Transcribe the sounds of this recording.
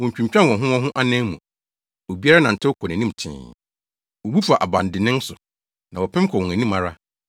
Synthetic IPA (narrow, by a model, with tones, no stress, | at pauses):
wɔ̃˨ɲ˨t͡ɕᶣũ˨ɲ˨t͡ɕᶣã˦nwɔ̃˨ɦʊ̃˦wɔ̃˦ɦʊ̃˦ʔa˦nɛ̃˦mṵ̃˨ | o˨bi˦a˦ɾa˦nã˨n̩˨tʰɪ˦kʰɔ˨næ̃˨nĩ˦m˨tʰɪ̰̃ː˨ | wo˨bu˦fa˨ʔa˨bã˨n˨dɪ˨nɪ̃˦n˦sʊ˨ | nã˨wɔ˨pʰɛ̃˦m˦kʰɔ˨wɔ̃˨æ̃˨nĩ˦mã˦ɾa˦